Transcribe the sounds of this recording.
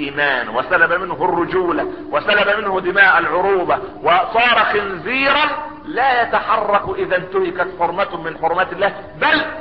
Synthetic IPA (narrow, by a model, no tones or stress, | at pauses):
ʔiːmaːnwasalabamɪnɦʊrːʊd͡ʒuːla | wasalabamɪnhʊd̪ɪmaːʔalʕʊɾuːbawɪsˤɑːɾˤɑxɪnziːɾɑn | laːjat̪aħɑrˤːɑkʔɪðant̪ʊhɪkat̪ħʊɾˤmat̪mɪnħʊɾˤmat̪ɪlːaː | bæl